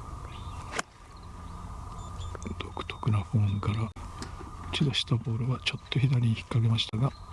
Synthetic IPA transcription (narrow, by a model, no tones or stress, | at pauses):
d̪̥o̞̥kɯ̟̥t̪o̞̥kɯ̟naɸõ̞ːŋkaɾa | ɯt͡ɕid̪o̞ɕi̥t̪abo̞ːɾɯ̟βat͡ɕo̞t̪ːoçid̪aɾʲiɲ̟içi̥kːaɡe̞maɕi̥t̪aɡa